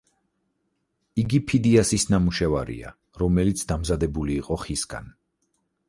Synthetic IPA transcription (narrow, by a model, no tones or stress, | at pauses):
iɡipʰid̪iasisnamuʃɛvaɾḭa̰ | ɾɔmɛlit̪sʰd̪amzad̪ɛbuliːqʼɔχisɡa̰n